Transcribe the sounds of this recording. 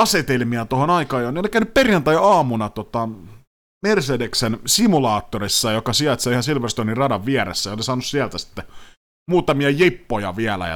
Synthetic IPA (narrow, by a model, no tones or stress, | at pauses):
ɑset̪elmiɑt̪ohonɑikɑːjoneolikæynypperjɑnt̪æjɑːmunɑt̪ot̪ɑ | mersedeksensimulɑːt̪ːorisːɑjokɑsiɑt̪sɑihɑsilʋerst̪onirrɑdɑʋʋieɾḛsːæjolisɑːnussiælt̪æsi̥t̪ːe | muːt̪ɑmiɑjepːojɑ̰ʋiælæ̰jɑ̰